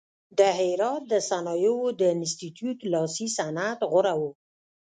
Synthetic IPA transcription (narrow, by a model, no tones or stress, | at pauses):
d̪əɦɪɾɑt̪̚d̪əsanɑjowod̪əɪnst̪it̪jut̪lɑsisanat̪ɣʊɾawo